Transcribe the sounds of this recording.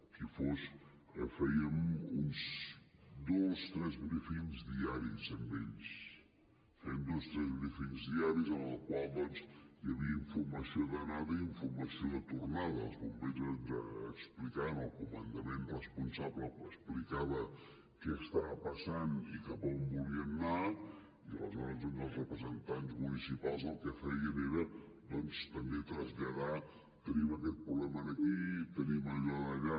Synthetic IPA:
kifoʃ | ɛfɐiəmunz | d̪ost̪ɾɛzβɾefinzðiaɾizəmbeʎs | fɛnd̪ost̪ɾɛzβɾefiɲzðiaɾizənlɐkwalˠd̪ɔnzjɐβiɐiɱfuɾmɐsioðɐnaðɐiɱfuɾmɐsioðət̪uɾnaðɐ̰lˠzβumbezɐd̪ə̰ːksplikanəlˠkumə̰nd̪əmenrəspunsabləkəsplikaβə | kɛəst̪aβəpəsanikapəmbuliəmna | iə̰lə̰zɔɾəzənd̪əlˠzrəpɾəzənt̪anzmunisipalˠzðəlˠkɛfɛjiəneɾə | d̪ɔnst̪əmbet̪ɾəzʎəða | t̪əniməkɛt̪̚pɾuβlɛmənəkit̪əniməʎaðəʎa

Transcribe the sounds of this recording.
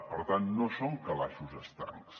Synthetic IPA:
pəɾt̪annosoŋkɐlaʃuzəst̪a̰ŋs

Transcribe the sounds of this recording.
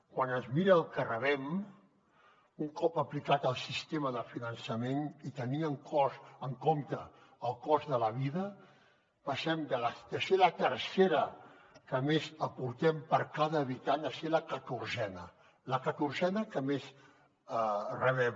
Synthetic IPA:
kwanəzmiɾəːlˠkərəβɛm | uŋkɔpəplikat̪əlˠsist̪eməðəfinənsəmenit̪əniəŋkʰɔzəŋkomt̪əː | lˠkɔzðələβiðə | pəsɛmd̪ələd̪əselət̪ərseɾə | kəmezəpuɾt̪ɛmpəɾkaðəːβit̪aɲəseləkət̪uɾzɛnə | ləkət̪uɾzɛnəkəmez | ərəβɛm

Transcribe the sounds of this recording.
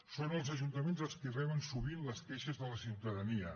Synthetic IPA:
sonəlˠzəʒunt̪əmenzəlˠskirɛβənsuβ̞inləskɛʃəzðələsiwt̪əðəniə

